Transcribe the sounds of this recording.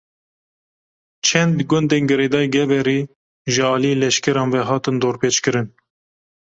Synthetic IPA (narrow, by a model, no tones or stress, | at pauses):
t͡ʃʰɛnd̪ɡʊnd̪eːnɡɨɾeːd̪ɑːjɡɛvɛɾiː | ʒɨɑːlielɛʃkɛɾɑːnvɛɦɑːt̪ɨnd̪oːɾpʰeːt͡ʃkɨɾɨn